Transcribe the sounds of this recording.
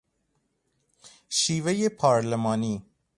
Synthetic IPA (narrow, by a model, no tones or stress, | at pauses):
ʃiːvejepʰɒːɾlemɒːniː